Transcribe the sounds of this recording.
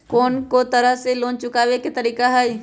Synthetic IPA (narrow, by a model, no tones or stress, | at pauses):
koːnkot̪əɾəɦseloːnt͡ʃʊkaːʋeket̪əɾiːkaɦɛj